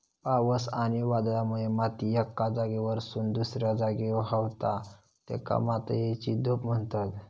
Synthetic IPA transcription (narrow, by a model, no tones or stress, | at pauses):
paʋəsañiʋad̪lamuemat̪iɛkːad͡zaɡeʋəɾsuːnd̪usɾjad͡zaɡeɦəʋt̪a | t̪ḛka̰mat̪ə̰jet͡ɕid̪opm̤əɳt̪at̪